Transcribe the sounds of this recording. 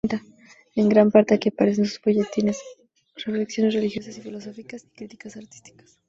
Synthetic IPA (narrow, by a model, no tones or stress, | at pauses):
t̪a | eŋɡɾampaɾt̪eakepaɾes̬ensuzboʝet̪ines | refleksjo̞nesrelixjo̞sasifilo̞sofikasi̥kɾit̪i̥kasaɾt̪i̥st̪i̥kḁs